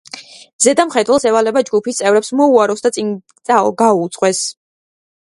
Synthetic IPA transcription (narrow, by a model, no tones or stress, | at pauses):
zɛd̪amχɛd̪wɛlˠsɛvalɛbad͡ʒɡupʰist̪sʼɛvɾɛpsmɔuaɾɔsd̪at̪sʼin | ɡauːt̪sʼqʼwɛs